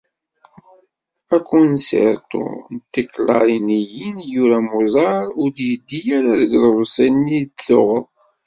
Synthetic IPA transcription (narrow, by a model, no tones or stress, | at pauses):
ækːunsḛɾt̪ṵnt̪ːiklɑ̰ɾˤinijinjuɾæmuzˤɑɾˤʊɾd̪jəd̪ːijæɾæðəɡlɾˤsænit̪lʊʁəðˤ